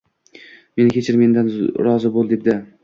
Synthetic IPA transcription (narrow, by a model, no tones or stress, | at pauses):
me̞nkʲet͡ʃʰɪɾme̞nd̪anɾɒzɪbolˠd̪ep̚d̪ɪ